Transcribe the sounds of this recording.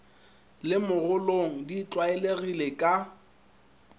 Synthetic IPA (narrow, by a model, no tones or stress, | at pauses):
lɪmʊɣʊloŋ̩dit͡ɬʼwaɛleɣilekʼa